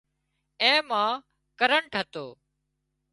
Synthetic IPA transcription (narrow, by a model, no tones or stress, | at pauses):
ẽːmãː | kəɾəɳʈɦət̪oː